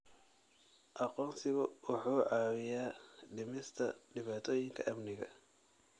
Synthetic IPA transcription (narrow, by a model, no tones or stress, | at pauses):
ʔɑqɔːnsɪβɐwʊħuːʕɑːwɪjaːɖɪmɪst̪ʰɐɖɪβaːt̪ʰɔːjɪŋkʰɐʔɐmnɪɣɐ̰